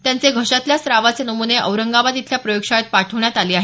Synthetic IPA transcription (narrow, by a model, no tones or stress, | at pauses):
t̪jant͡seɡʱəʂat̪ljasɾaʋat͡senəmuneʔə̰ʋɾəŋɡaʋat̪it̪ʰljapɾəjokʂajet̪̚paʈʰəʋɳjat̪aliːaɦe